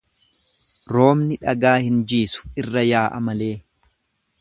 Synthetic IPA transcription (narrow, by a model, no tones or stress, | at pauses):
ɾo̞ːmnɪᶑɐɡaːhɪnd͡ʒiːsʊ̥ɪrːɐjaːʔɐ̰mɐle̞ː